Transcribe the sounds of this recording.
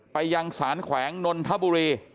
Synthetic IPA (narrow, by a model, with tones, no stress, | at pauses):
pa˧jːa˧ŋsaː˩˦nkʰwɛː˩˦ŋno˧nt̪ʰa˦˥˩buː˧ɾiː˧